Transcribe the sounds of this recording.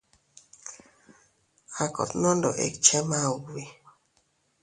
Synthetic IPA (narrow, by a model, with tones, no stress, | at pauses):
a˨kʰɔ̰˨t̪nɔ˦ndɔ̰˨ʔḛ˨kt͡ʃɛ˦ma˦˨wi˦